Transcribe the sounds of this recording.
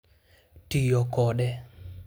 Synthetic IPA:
tijɔkɔɗɛ

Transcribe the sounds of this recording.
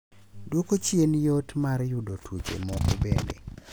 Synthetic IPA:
dwokot͡ʃjenjotmarjʊdotwut͡ʃḛmɔkbenḛ

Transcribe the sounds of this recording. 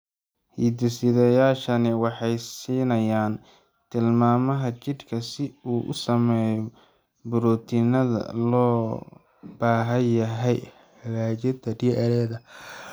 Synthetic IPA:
hiːd̪ɪsɪðɛjaːʃɐnɪwɑħɑjsiːnɐjaːn | t̪ʰɪlmaːmɐɦɐt͡ʃɪd̪kʰɐsɪuːʔʊ̰sɐmɛːjɔ | bʊɾɔːt̪ʰɪnɐðɐ̰lɔː | b̥aːɦɐjɐɦɛj | ɑɣaːt͡ʃɐd̪ɐɖiʔɐɾɛːðɐ

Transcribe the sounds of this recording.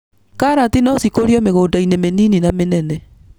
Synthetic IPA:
kaːɾatinɔsikoɾiɔmeɣoːdainemeniːninamenɛnɛ

